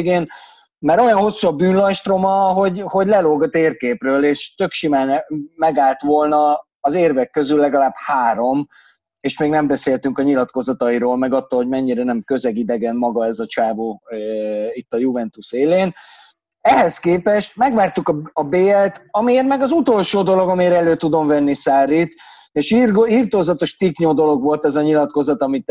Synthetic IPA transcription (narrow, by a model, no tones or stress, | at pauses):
ɡeːn | mɛɾo̞jɒnɦo̞sːuɒbyːnlɒjʃt̪ro̞mɒɦo̞ɟho̞ɟlɛloːɡɒt̪eːrkeːprøːleːʃt̪ø̞kʃimaːnɛmɛɡaːlt̪ʋo̞lnɒː | zeːrvɛkːø̞zylːɛɡɒlaːbhaːɾo̞m | eːʃmeːɡnɛmbɛseːlt̪yŋkɒɲilɒt̪ko̞zɒt̪ɒiɾoːlmɛɡɒt̪ːoːlho̞ɟmɛɲːiɾɛnɛmkø̞zɛɡid̪ɛɡɛnmɒɡɒɛzɒt͡ʃaːvoː | it̪ːɒjuvɛnt̪useːleːn | ɛɦɛskeːpɛʃt̪̚mɛɡvaːrt̪ukɒɒbeːɛlt̪ɒmieɾmɛɡɒzut̪o̞lʃoːd̪o̞lo̞ɡɒmiɾɛløːt̪ud̪o̞mvɛnːisaːɾit̪eːʃriːrt̪oːzɒt̪o̞ʃt̪ikɲoːd̪o̞lo̞ɡvo̞lt̪ɛzɒɲilɒt̪ko̞zɒt̪ɒmit̪